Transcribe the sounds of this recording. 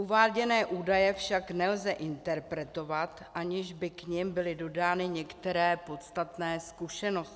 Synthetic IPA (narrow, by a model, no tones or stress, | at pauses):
ʔuvaːɟɛnɛːʔuːdajɛfʃaknɛlzɛʔɪnt̪ɛɾpɾɛt̪o̞vat̪ʔaɲɪʒbɪkɲɪmbɪlɪdo̞daːnɪɲɛkt̪ɛɾɛːpo̞t̪st̪at̪nɛːskuʃɛno̞scɪ